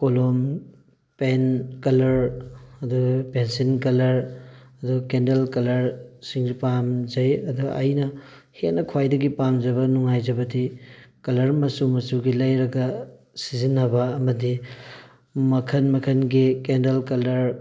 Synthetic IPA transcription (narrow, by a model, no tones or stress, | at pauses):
kolom | penkɐlɐɾɐduɡɐpensinkɐlɐɾɐduɡɐkendelkɐlɐɾsiŋzipamd͡ʒɐjɐduɡɐ̰ʔɐjnɐ | henːɐkʰwajdɐɡipamd͡ʒɐbɐnuŋajd͡ʒɐbɐdikɐlɐɾmɐsumɐsuɡilɐjɾɐɡɐ | sizinːɐbɐːmɐdi | mɐkʰɐnmɐkʰɐnɡikendelkɐlɐɾ